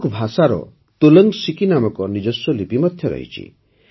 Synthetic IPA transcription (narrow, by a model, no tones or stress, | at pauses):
kbʱasaɾɔ̰ | t̪oləŋsikinamɔkɔnid͡ʒɔsːɔlipimɔd̪ʱjɔɾɔ̰ɦḭt͡ʃʰḭ